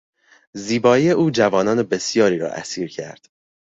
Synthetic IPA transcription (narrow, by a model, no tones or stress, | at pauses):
ziːbɒːiːe̞ʔuːd͡ʒævɒːnɒːne̞be̞sjɒːɾiːɾɒ̰ːʔæ̰siːɾcʰæ̰ɾd̪̥